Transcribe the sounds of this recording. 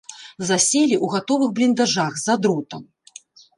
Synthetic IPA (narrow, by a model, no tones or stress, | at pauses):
zasʲelʲiʔuɣat̪ɔvɨxblʲind̪aʐaxzad̪ɾut̪ɐm